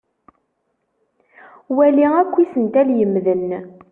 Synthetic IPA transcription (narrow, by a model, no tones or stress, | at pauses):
wæliækʷːisənt̪æljəmːðən